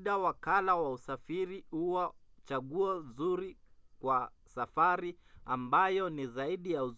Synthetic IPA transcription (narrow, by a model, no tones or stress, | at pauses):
ɗawakalawausafiɾihuwat͡ʃaɠuɔzuɾikwasafaɾiambajɔnizaiɗijau